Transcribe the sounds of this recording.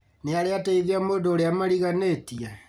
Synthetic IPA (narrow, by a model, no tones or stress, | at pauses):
neaɾeataiðiamodoːɾeamaɾiɣanetia